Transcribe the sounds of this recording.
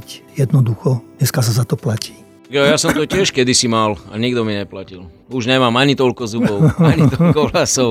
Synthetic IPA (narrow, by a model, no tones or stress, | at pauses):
cjɛd̪nɔd̪uxɔɲɛskas̬azat̪ɔplaci̥ː | t̪aɡjɔjasɔmt̪ɔcɪɛʃkɛd̪isimala̰ɲiɡd̪ɔmiɲɛplacil | uʒɲɛmaːmaɲit̪ɔʎkɔzubɔʊaɲit̪ɔlkɔlasɔʊ